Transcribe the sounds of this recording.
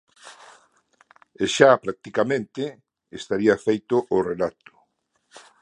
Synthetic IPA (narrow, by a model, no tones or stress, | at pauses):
eʃapɾak̚t̪ikamẽnt̪ɪ | est̪aɾiafejt̪ʊʔʊrelat̪ʊ̥